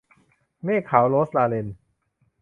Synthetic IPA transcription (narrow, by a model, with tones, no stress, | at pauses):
meː˥˩kʰːa˩˦wloː˦˥slaː˧le˧n